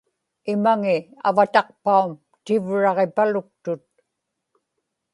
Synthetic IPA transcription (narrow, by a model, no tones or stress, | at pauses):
ɪmaŋɪa̰vat̪ɑq̚paum | t̪ɪvɻɑʁepalʊk̚t̪ʊt̪̚